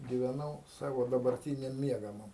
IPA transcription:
ɡʲiːʋʲɛˈnɐʊ ˈsɑːʋoː dɐbɐrʲˈtʲiːnʲɛm ˈmʲiɛɡɐmɐm

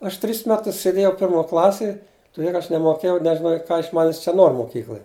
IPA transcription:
ˈɐʃ tʲrʲɪs ˈmʲæːtʊs sʲeːˈdʲeːjɛʊ ˈpʲɪrmoː ˈklˠɑːsʲeːj tʊˈdʲeː kɐ ˈɐʃ nʲɛmoːˈkʲeːjɛʊ nʲɛʒʲɪˈnoːjɛʊ ˈkɐ ɪʃ ˈmɑːnʲɪs t͡ʃʲɛ ˈnoːr moːˈkʲiːklˠoːj

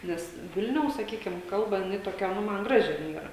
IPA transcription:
ˈnʲɛs ˈʋʲɪlʲnʲɛʊs sɐˈkʲiːkʲɪm ˈkɐlˠbɐ jɪˈnɐɪ toːˈkʲɛ ˈnʊ ˈmɐn ˈɡrɑːʒʲɪ jɪn ˈiːrɐ

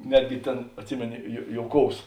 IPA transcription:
ˈnʲæːdʲɡʲɪ ˈtʲeːn ɐtʲˈsʲɪmʲeːnoː joː ˈjoːʊˌkoːʊs

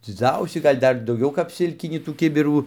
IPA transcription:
d͡zʲɪˈd͡zɐʊsʲiː ˈɡɐlʲ ˈdɐr dɐʊˈɡʲɛʊ kɐp ˈsʲɪlʲkʲɪnʲiː tuː ˈkʲɪbʲɪruː

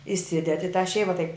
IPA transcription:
ɪˈsʲɪdʲɛdʲɪ ɪ tɑː ˈʃʲɛɪʋɐ tɐɪp

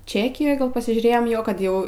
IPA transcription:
ˈt͡ʃʲæːkʲɪjoːj ˈɡɐlˠ pɐsʲɪʒʲuːˈrʲeːjoːm ˈjoː kɐt ˈjɛʊ

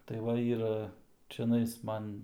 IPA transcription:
tɐɪ ˈʋɐ ˈiːrɐ t͡ʃʲɛˈnɐɪs ˈmɐn

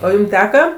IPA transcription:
oː ˈjuːm ˈtʲæːkɐ

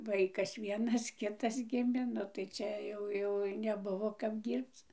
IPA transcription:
ˈʋɐɪkɐs ˈʋʲiɛnɐs ˈkʲɪtɐs ˈɡʲɪmʲeː ˈnʊ tɐɪ ˈt͡ʃʲɛ jɛʊ jɛʊ nʲɛˈbʊʋoː kɐp ˈdʲiːrpt͡s

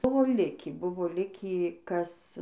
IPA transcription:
ˈbʊʋoː ˈlʲɪkʲiː ˈbʊʋoː ˈlʲɪkʲiː ˈkɐs

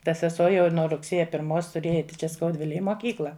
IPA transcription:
tɐ sʲɛˈsuɔ jɛʊ ɪr nuɔ rʊkˈsʲeːjɛ pʲɪrˈmoːs tʊˈrʲeːjɛ ˈɛɪtʲɪ t͡ʃʲɛ skɐʊˈdʲʋʲɪlʲeːj ɪ moːˈkʲiːklˠɐ

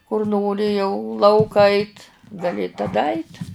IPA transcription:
kʊr ˈnoːrʲɪ jɛʊ ˈlˠɐʊkɐ ˈɐɪtʲ ɡɐˈlʲɪ tɐˈdɐ ɐɪtʲ

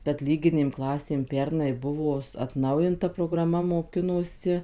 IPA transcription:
kɐt ˈlʲiːɡʲɪnʲeːm ˈklˠɑːsʲeːm ˈpʲɛrnɐɪ ˈbʊʋoː ɐtˈnɐʊjɪntɐ proːɡrɐˈmɐ moːˈkʲɪnoːsʲɪ

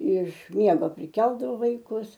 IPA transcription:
ɪʃ ˈmʲiɛɡoː pʲrʲɪˈkʲɛlˠdɐʋoː ʋɐɪˈkʊs

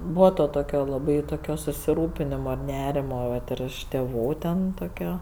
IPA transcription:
ˈbuːʋɐ ˈtoː ˈtoːkʲoː lˠɐˈbɐɪ toːˈkʲoː sʊsʲɪˈruːpʲɪnʲɪmoː ɪr ˈnʲæːrʲɪmoː ˈʋɐt ɪr ɪʃ tʲeːˈʋuː ˈtʲɛn toːˈkʲoː

